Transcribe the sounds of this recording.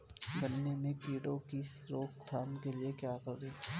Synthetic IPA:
ɡənːemẽpiːɽõkisɾoːkst̪ʰaːnkeliekjaːkəɾdeː

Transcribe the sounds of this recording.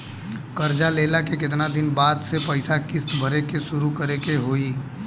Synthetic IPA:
kəɾd͡ʒaleːlakekɪt̪̬nad̪ɪnbaːd̪sepəɪsakɪsbʱəɾekesʊɾukəɾekeɦoːiː

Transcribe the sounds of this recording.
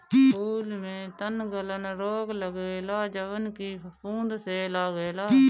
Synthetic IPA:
uːlmẽːt̪ənɡələnɾoːɡləɡeːlaːd͡ʒəʋənkiːpũːnd̪seːlaːɡeːlaː

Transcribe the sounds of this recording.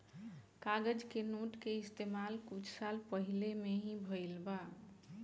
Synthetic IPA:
kaɡəd͡ʒkenoʈkeɪst̪emalkut͡ʃʰsalpəɦilemeɦĩbʱəilba

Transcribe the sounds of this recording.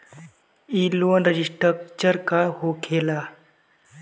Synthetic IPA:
iloənɾəd͡ʑisʈɾəkt͡ɕəɾkaɦokʰela

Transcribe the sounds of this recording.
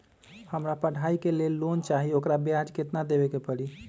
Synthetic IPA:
həmɾapəɽ̤aikelelːont͡ʃaɦiokɾabjad͡ʒket̪nad̪ebekepəɽi

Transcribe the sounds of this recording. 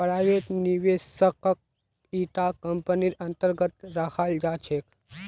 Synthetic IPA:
pɾaʋet̪niʋesəkək̚ | iʈakəmpəniɾɐnt̪əɾɡət̪ɾakʰald͡ʒaːt͡ʃʰek

